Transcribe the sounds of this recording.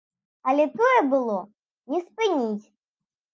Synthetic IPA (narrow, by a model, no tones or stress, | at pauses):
ɐlʲɛt̪ɔjɛbɨlˠɔ | nʲɛspɨnʲit͡sʲ